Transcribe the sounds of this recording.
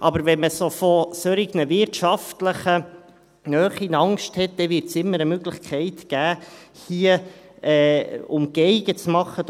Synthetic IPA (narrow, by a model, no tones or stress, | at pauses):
ʔɑbəɾvɛnməsofɔsøɾiɡnəvɪɾtʃɑftləχə | nœːχinɑŋsʃthɛt̚d̥̪ɛvɪɾtsɪmːəɾəmøɡləχkʰɛɪt̪ɡ̥æːhiəɛːʊmɡ̥eɪɡ̥ət͡smɑχːə